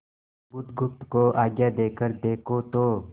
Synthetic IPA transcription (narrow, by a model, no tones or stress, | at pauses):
bʊt̪ɡʊft̪koʔaːɡjad̪eːkəɾd̪eːkʰot̪oː